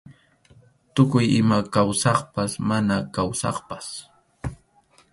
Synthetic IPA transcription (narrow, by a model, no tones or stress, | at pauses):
t̪ʊkʊjɪmakawsɑχpasmanakawsɑ̰χpas